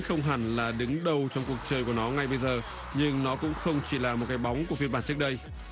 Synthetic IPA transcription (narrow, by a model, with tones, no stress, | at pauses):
nxə˧wŋ͡mɦa˧˩nlaː˨˩ɗɨ˨˦ŋɗə˨˩wt͡ɕɔ˧wŋ͡mku˨˩ək̚t͡ɕəː˨˩jku˧˩nɔ˨˦ŋa˧jɓə˧jzəː˨˩ | ɲɨ˧ŋnɔ˨˦kʊ̰˧˥ŋ͡mxə˧wŋ͡mt͡ɕi˧˩laː˨˩mo˨˩t̚kaː˨˦jɓa˨˦wŋ͡mku˧˩əfi˧nmɓaː˧˩˨nt͡ɕɨ˦˥ək̚ɗə˧j